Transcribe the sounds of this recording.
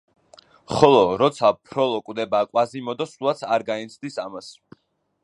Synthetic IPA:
χɔlˠɔɾɔt̪sʰapʰɾɔlˠɔkʼwd̪ɛbaːkʼwazimɔd̪ɔsulˠat̪sʰaɾɡaɛnt̪sʰd̪isamas

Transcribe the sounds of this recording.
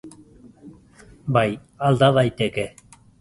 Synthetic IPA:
baj | ald̪aðajt̪eke

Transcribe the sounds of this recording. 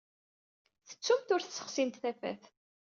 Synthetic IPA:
θə̥t͡sːumt̪ʊɾθsə̥χsint̪θæfæ̰θ

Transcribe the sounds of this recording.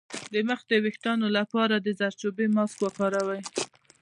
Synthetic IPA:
d̪əməxd̪əwɪxt̪ɑnolapɑɾad̪əzaɾt͡ʃobemɑskwakɑɾawaj

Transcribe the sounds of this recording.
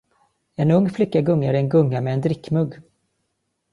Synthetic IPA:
ɛnɵŋːflɪkːaɡɵŋːaɾɛnɡɵŋːamɛːnd̪ɾɪkːmɵɡː

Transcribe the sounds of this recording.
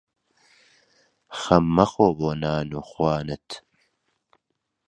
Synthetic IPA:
xɐmːɐxoːboːnaːnuxwaːnət̪ʰ

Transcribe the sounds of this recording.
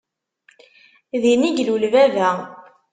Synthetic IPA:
ðiniʝlulvævæ

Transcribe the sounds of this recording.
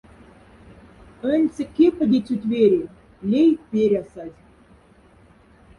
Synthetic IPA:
ə̆nʲt͡sʲɘ̆kʲːepə̆d̪ʲet͡sʲut̪ʲveɾʲe | lʲejpʲeɾʲɑsɑtʲ

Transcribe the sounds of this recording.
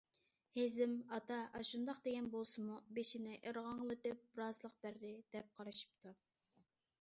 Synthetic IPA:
hezɪmɑt̪ɑʔɑʃund̪ɑqd̪eɡʲɛnbolˠsɨmubeʃinɪʔeɾʁɑŋlˠɨt̪ɪp̚ɾɑzlˠəq̚b̥æɾd̪ɪd̪̥ɛp̚qʰɑɾɨʃi̥p̚t̪ʰu

